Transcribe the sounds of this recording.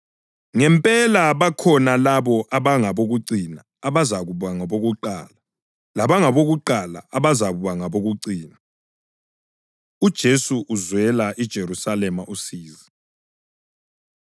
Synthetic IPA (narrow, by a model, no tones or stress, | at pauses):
ŋɛmpʼɛlaβakʰɔnalaβɔʔaβaŋaβoɣuǀinaːβazaɣuβaŋaβoɣuǃa̰ːla | laβaŋaβoɣuǃala̰aβazaβuβaŋaβoɣuǀiːna | ud̥ʒ̥ʱesuʔːzwɛlaʔid̥ʒ̥ʱeɾusalɛmaʔusiːzi